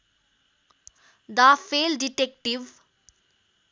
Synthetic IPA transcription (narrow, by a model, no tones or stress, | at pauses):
d̪afeːlɖiʈek̚ʈiʋ